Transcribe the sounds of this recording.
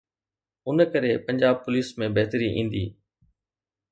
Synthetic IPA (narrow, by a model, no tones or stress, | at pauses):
ʊnkəɾepɐ̃ɲd͡ʑaːb̚pʊliːsmẽbɐɦt̪əɾiʔḭ̃ːnd̪ḭː